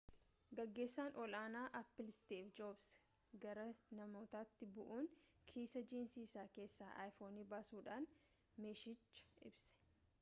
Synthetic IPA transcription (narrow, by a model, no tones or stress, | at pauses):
ɡɐɡːe̞ːsːaːnʔɔlaːnaːʔɐpːɪlɪst̪eːfd͡ʒoːbsɡɐɾɐnɐmo̞ːt̪aːt̪ːɪbʊʔuːŋkʰiːsɐd͡ʒiːnsiːsaːke̞ːsːa̰ːʔa̰ːjfo̞ːniːbaːsuːᶑaːn | meːʃɪt͡ʃːɐ̥ɪ̰bsɛ̥